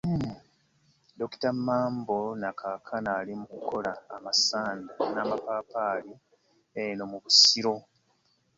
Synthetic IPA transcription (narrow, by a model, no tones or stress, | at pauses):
do̞ki̥tamːaːmbo̞nakʰakʰanaːlimukukʰo̞laːmasaːndanaːmapaːpaːli | eno̞muβusiɾo̞